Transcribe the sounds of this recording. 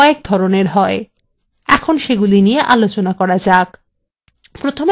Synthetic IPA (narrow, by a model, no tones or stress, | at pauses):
ek̚d̪ʱɔɾoneɾɦɔe | ɛkʰonʃeɡulinijeʔalot͡ɕonakɔɾad͡ʑak | pɾot̪ʰom